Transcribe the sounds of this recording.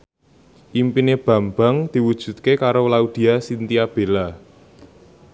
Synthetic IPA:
ʔimpineb̥a̤mba̤ŋd̪̥i̤wud̥ʒ̥ṳt̪̚kekaɾowlaud̪̥i̤asint̪iab̥e̤la

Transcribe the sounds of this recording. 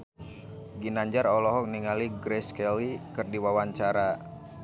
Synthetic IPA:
ɡinaɲd͡ʒaɾɔlɔɦɔk̚niŋaliɡɾɛskɛlikɨrdiwawaɲt͡ʃaɾa

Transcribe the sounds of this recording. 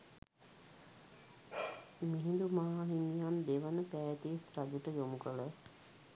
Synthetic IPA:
miɦĩnd̪umaɦaɦinijaːnd̪eʋənəpaːjət̪isɾad͡ʒuʈəjomukələ

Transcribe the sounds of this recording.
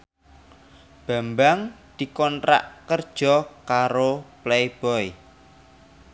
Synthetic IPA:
b̥a̤mbaŋd̪̥i̤kɔntɾa̰ʔkərd̥ʒ̥ɔ̤kaɾoplejb̥ɔj

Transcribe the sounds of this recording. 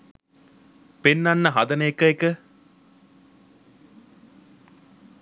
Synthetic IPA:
penːanːɐɦɐd̪ɐneekəekə

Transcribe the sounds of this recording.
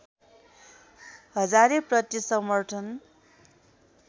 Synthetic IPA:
ɦʌd͡zaɾeprʌt̪isʌmʌrʈʰʌn

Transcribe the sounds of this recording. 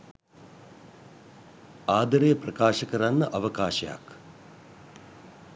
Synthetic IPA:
aːd̪ɐɾeːprɐkaːʃɐkɐɾanːəʔɐʋɐkaːʃɐja̰k

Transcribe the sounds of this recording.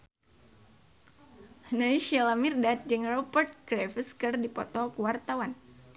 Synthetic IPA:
hnaiʃɛlamirdat̪̚d͡ʒəŋrɔpərt̪̚kɾɛfəskərdipɔ̰t̪ɔkuwart̪awan

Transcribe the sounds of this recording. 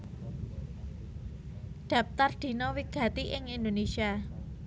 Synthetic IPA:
ɖ̪̥a̤p̚t̪ard̪̥i̤nɔwiɡ̥ä̤t̪iʔɪŋind̪onesia

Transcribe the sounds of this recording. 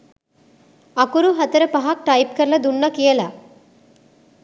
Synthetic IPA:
ɐkuɾuɦɐt̪əɾəpɐɦak̚ʈɐjp̚kəɾlɐd̪unːɐkijəla

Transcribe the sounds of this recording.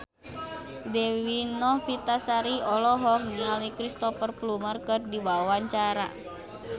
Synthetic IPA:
dɛwinɔhpit̪asaɾiɔlɔɦɔk̚nialikɾist̪ɔfərplumərkɨrdibawaɲt͡ʃaɾa̰

